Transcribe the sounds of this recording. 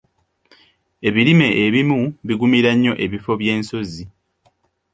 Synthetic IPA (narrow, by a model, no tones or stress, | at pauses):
e̞βiɾime̞ʔeβimuβiɡumiɾaɲːo̞ʔe̞βifo̞βje̞ːnso̞zi